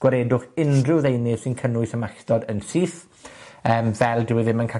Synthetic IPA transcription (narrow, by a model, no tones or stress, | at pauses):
ɡ̥waɾeːdʊχɪnrɪwðejnɪ̥sɪnkʰənʊɨsəmastɔdənsiːθ | əːmvɛlˠdɪwɪðɪmənkʰa